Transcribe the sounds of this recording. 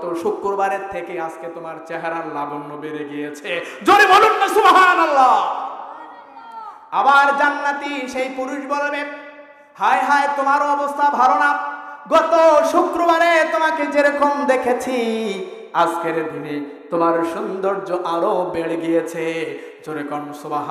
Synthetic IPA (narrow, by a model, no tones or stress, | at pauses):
t̪oʃukɾobaɾeɾt̪ʰekeasket̪omaɾt͡ɕeɦeɾaɾlaɡonːobeɾeɡijet͡ɕʰed͡ʑoɾebolunːasubɦanalːa | abaɾd͡ʑanːat̪iʃejpuɾuʃbɔlome | haeɦaet̪omaɾoɔbost̪ʰabʱalonaɡɔt̪oʃukɾobaɾet̪omaked͡ʑeɾɔkomd̪ekʰet͡ɕʰi | askeɾd̪ine | t̪omaɾʃund̪oɾd͡ʑoʔaɾobeɽeɡijet͡ɕʰe | d͡ʑoɾekɔnosubɦa